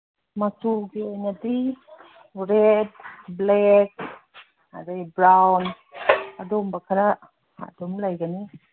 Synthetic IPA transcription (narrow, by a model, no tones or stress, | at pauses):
masuɡiajnadi | ɾed̚blɛk̚ | a̰dabɾawn | adombakʰaɾa | a̰domlajɡani